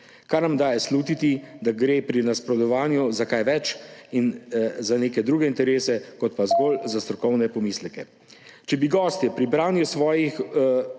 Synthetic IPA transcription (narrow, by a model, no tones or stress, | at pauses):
kaɾnamd̪aːjɛsluːt̪it̪id̪aɡɾeːpɾinaspɾɔd̪ɔʋaːnjuzakajʋɛt͡ʃinzaneːkɛd̪ɾuːɡɛint̪ɛɾeːsɛkɔt̪̚pazɡolzast̪ɾɔkɔwnɛpɔmislɛkɛ | t͡ʃɛbiɡɔːst̪jɛpɾibɾaːnjusʋɔːjix